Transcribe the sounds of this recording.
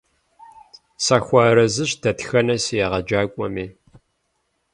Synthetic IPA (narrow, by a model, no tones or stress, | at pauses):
saːxʷɑːɾɐzɨɕdɐtxɐnɐsijɛʁɐd͡ʒaːkʷʼɔmiː